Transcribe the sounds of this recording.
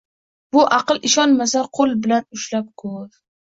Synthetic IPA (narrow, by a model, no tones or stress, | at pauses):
bʊʔɑqɨlɪʃɒnmasaqʰolˠbɪlanʊʃlap̚kʰoɾ